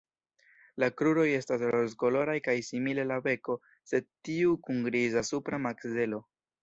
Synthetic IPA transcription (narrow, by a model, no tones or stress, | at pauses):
lakɾuɾo̞je̞stas̬loɾzko̞lo̞ɾajkajsimile̞labe̞ko̞ | se̞d̚tiukuŋɡɾizasupɾamakze̞lo̞